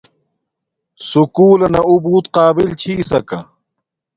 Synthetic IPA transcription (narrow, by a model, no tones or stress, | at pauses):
sukuːlɐnɐubuːt̪qaːbilt͡ɕʰiːsɐkɐ̰